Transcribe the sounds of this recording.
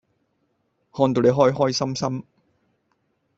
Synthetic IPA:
hɔː˧nt̪o˨nle˨˧ɦɔː˥jɦɔː˥jsɐ˥msɐ˥m

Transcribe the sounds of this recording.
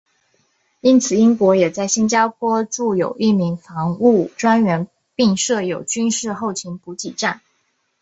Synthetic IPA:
i˥nt͡sʰɹ̩˨˩i˥ŋkwɔ˧˥jɛ˨˩t͡sa˥˩ɪɕi˥nt͡ɕja˥pʰwɔ˥ʈ͡ʂu˥˩jo̰˨˩ʊʔi˥˩mi˧˥ŋfɑ˧˥ŋu˥˩ʈ͡ʂwa˥nɥɛ˧˥n | pi˥˧ŋʂɤ˥˩jo˨˩ʊt͡ɕy˥nʂɻ̩˥˧xo˥˩ʊt͡ɕʰi˧˥npu˧˥t͡ɕi˨˩ʈ͡ʂa˥˩n

